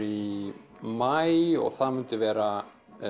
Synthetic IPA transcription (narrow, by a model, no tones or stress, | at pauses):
i | majɔ̰ɣθaðmʏnt̪ɪvɛːɾa